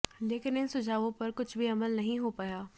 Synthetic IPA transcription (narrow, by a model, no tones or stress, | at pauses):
leːkɪnɪnsʊd͡ʒʱaːʋõpɐɾkʊt͡ʃʰbʱiɐməlnɐɦĩɦoːpajaː